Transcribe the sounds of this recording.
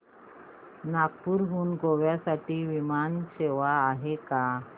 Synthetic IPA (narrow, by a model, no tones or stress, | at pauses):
nak̚puːɾɦuːnɡʱoʋjasaʈiːʋimanɕeʋaːɦeka